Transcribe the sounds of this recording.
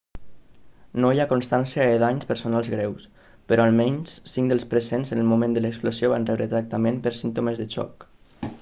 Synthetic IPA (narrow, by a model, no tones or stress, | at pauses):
nojakonst̪ansiəəðaɲspəɾsonalˠzɣɾɛws | pəɾɔalˠmɛɲssiŋd̪əlˠspɾəzenzənəlˠmumẽnd̪ələksplozjoβanrɛβɾət̪ɾak̚t̪amẽmpəɾsint̪oməzðət͡ʃɔ̰k